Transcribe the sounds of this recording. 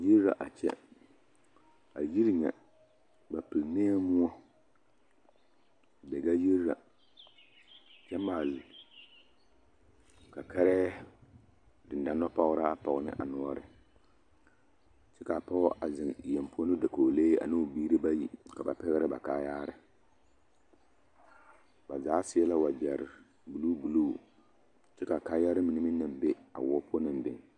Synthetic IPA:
ji˦ɾɾa̰˨ʔa˨t͡ʃɛ̰˦ | a˨ji˦ɾɲɛ̰˨ | ba˨pɨ˨lneː˦mʊ˦ɔ˦˨ | bɛ˨ɡa˦ji˦ɾɾa̰˨ | t͡ʃɛ˦maː˨l | ka˨kɛ˦ɾɛ˦ | dɪ˨n˨da˦nːɔ˦pɔ˦ɣɾa˦pɔ˨ɣnɪ̰˦ʔa˨nɔ˦ɔ˦ɾɪ˦˨ | t͡ʃɛ˦ka˨pɔ˦ʔa˨zɪ˨ŋ˨jɛ˨mpo˦nɨ˦da˨koː˨leː˦a̰˨nɪ˦˨biː˦ɾɨ˦ba˦ji˨ka˨ba̰˨pɛ˦ɣɪ˦ɾɪ˦ba̰˨kaː˦jaː˦ɾɪ˦ | ba˨zaː˨˦sɪ˦ɛ˦la˦wa˨d͡ʒɛ˨ɾɪ˨ | bu˨lu˦bu˨luː˦˨ | t͡ʃɛ˦ka˨kaː˦ja˦ɾɪ˦mi˨nɨ˦mɪ˦nɨ˨mbɛ˦a̰˨wɔː˦pʰo˦nɪ˨m˦bɪ˨ŋ

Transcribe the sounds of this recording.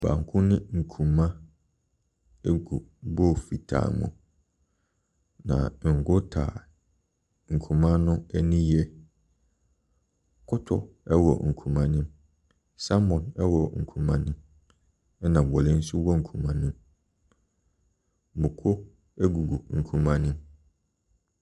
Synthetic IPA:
b̥a̰ː˨ŋ̩˨kʰʊ̃˦nɪ̃˦ŋ̩˨kʰũ˨mã˦ | ɛ˦ɡu˨bɔ˦˨fi˨tʰa̰˨mʊ̰̃˨ | nã̰˨ŋ̩˨ɡʊ˦tʰa̰ː˨ | ŋ̩˨kʰũ˨mã˦nʊ̃˦ɛ˦nĩ˦jɛ˦ | kʰʊ˦tʰʊ̰˦ | ɛ˦wɔ̰˨ŋ̩˨kʰũ˨mã˦nʊ̃˦m | sa˦mɔ̃˨nɛ˦wɔ˨ŋ̩˨kʰũ˨mã˦nʊ̃˦m | ɛ˦nã˨bɔ˨lɪ˦n̩˦sʊ˦wɔ˦ŋ̩˨kʰũ˨mã˨nʊ̃˦m | bʊ˨kʰʊ˦ | ɛ˦ɡu˨ɡu˨ŋ̩˨kʰũ˨mã˦nʊ̃˦m

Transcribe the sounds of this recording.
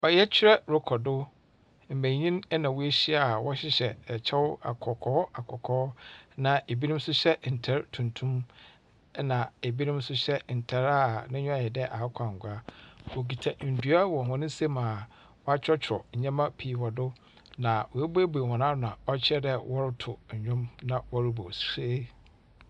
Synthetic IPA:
ɔ˨jɛ˦t͡ɕʰɪ˦ɾɛ˦ɾʊ˦kʰɔ˨dʊ˦ | m̩˨mæ̃˨ɲĩ˦n˦nã˨wu˦e˦ɕi˦a˨wɔ˦ɕɪ˦ɕɛ˨t͡ɕʰɛ˦wʊ˦a̰˨kʰɔ˨kʰɔː˦a˨kʰɔ˨kʰɔː˦nã˨e˨bi˦nũ˦m˦sʊ˦ɕɛ˦n̩˨tʰɛ˦ɾtʰũ˨ntʰũ˦m˦ | nã˨e˨bi˦nʊ̃˦msʊ˦ɕɛ˦n̩˨tʰɛ˦ɾa˦nɪ̃˦ɲᶣʊ̃˦a˨ɛ˨dɛ˦ʔa˨˦kʷʰã˨ŋ̩˨ɡʊ˨a˦wo˨ɡi˨tʰa˨n̩˨du˨˦a˦wɔ˨hʊ̃˨nɪ̃˦se˦mã˨ | wɔ˦a˦t͡ɕʰᶣɾɔ˦t͡ɕʰɾɔ̰˨ɲ̩˨ɲã˦mã˦pʰiː˨wɔ˨dʊ˦ | nã˨wɔ˨e˦be˦bu˨e˨hɔ̃˨nã˦n˨ã˨ɔ˦t͡ɕʰɛ˦dɛ˦wʔɔ˦ɾɪ˦tʰʊ˨ɲ̩˨ɲᶣʊ̃˦mnã˨wɔ˦ɾɪ˦bo˨se˦

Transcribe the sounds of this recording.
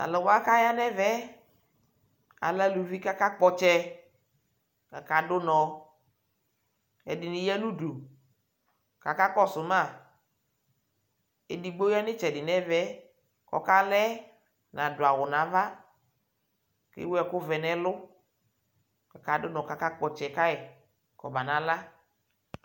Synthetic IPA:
a̰˨lɔ˨wa˦ka˦ja˦nɛ˦vɛ˦ | a̰˨la˦lu˨vi˦ka˦ka˦k͡pɔ˦t͡ʃɛ˦ | ka˨ka˨dʊ˦nɔ˨ | ɛ˨dɪ˨nɪ˨jɛ˦nũ˦du˨ | ka˨ka˦kɔ˦sʊ˨mã˦˨ | ɛ˨di˨ɡ͡bo˦jɛ˦nɪ˦t͡ʃɛ˨dɪ˨nɛ˦vɛ˦ | kɔ̰˨ka˦lɛ˦ | nã˨dʊ˨a˨wʊ˨nã˨˦va˦ | kɪ̰˦wɛ˨kʊ˦vɛ˨nɛ˦lʊ˦ | ka˨ka˦dʊ˦nɔ˨ka˨˦ka˦k͡pɔ˨t͡ʃɛ˨ka˦ɛ˨ | kɔ˨ba˨nã˨˦la˦

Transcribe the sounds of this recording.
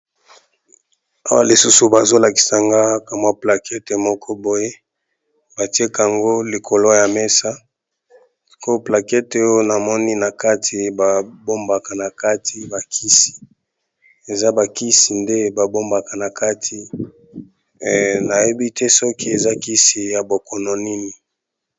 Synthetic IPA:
a˦wa˦li˨su˦su˨ba˨zo˦la˨ki̥˨sa˨ŋɡa˦ka˨mwa˦pla˨kʰɛ˦te˨mɔ˦kʰɔ˦bo˨je˦ | ba˨ti˦e˦ka˨a˨ŋɡo˦li˨kʰo˨lo˦ja˨mɛ˦sa˦ | ko˦pla˨kɛ˦te˨jo˦na˨mɔ˦ni˦na˨ka˦tʰi˨ba˨bo˦mba˨ka˨na˨ka˦ti˦ba˨kʰi˦si̥˨ | e˨za˦ba˨ki˦si˨nde˦ba˨bo˦mba˨ka˨na˨ka˦tʰi˨ | na˨je˦bi˦tɛ˦sɔ˦ki˦e˨za˦ki˦si˨ja˨bo˨kɔ˨nɔ˨ni˦ni˨

